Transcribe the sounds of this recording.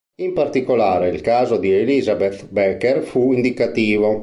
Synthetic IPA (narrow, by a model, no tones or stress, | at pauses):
impart̪ikolaːɾeilkaːzod̪ielizabet̪bɛkːɛrfuind̪ikat̪iːvo